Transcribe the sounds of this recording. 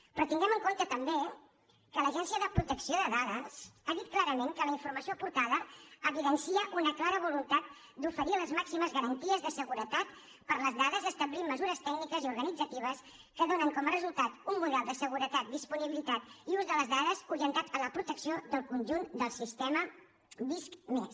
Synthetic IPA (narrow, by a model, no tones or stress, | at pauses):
pɾɔt̪iŋɡɛməŋkont̪ət̪əmbe | kələʒɛnsiəðəpɾut̪əksioðəðaðəsaðit̪̚klaɾəmeŋkələiɱfuɾməsiopuɾt̪aðəːβiðənsiəʔunəklaɾəβulunt̪at̪̚ | d̪ufəɾiləzmaksiməzɣəɾənt̪iəzðəsəɣuɾət̪at̪ | pəɾləzðaðəzəst̪əblimːəzuɾəst̪ɛɡnikəziuɾɣənid͡zət̪iβəs | kəðonəŋkɔmərəzulˠt̪at̪umːuðɛlˠd̪əsəɣuɾət̪at̪̚d̪ispuniβilit̪at̪iuzðələzðaðəzuɾiənt̪at̪ələpɾut̪əksiod̪əlˠkunʲʒund̪əlˠsist̪emə | biskmes